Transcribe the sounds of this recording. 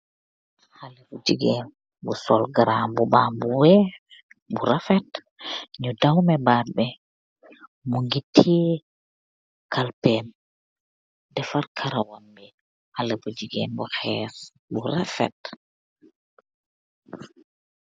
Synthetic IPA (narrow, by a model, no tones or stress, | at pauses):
halɛbud͡ʒiɡɛn | busɔlɡaɾambubaːmbuwɛ | buɾafɛt | ɲudawmɛbat̚bɛ | muŋɡitʰːɛ | kalpɛm | dɛfaɾkʰaɾawambɛ | halɛbud͡ʒiɡɛ̰ːmbɔxɛːs | buɾafɛ̰t